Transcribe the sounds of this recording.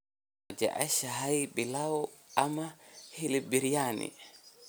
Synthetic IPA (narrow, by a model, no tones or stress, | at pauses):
d͡ʒɛ̰ʔa̰ʃaɦajbilawɔʔamahilibiɾijanḭ